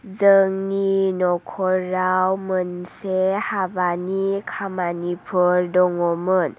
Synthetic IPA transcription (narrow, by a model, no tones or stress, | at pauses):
zəŋninɔkʰɔɾawmənsehabanikʰamanipʰɯɾdɔŋɔmən